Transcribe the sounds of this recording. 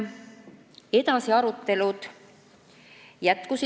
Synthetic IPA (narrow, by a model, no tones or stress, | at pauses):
e̞d̪̥ɑsiɑɾut̪ːe̞lud̪̥ | jæt̪kusi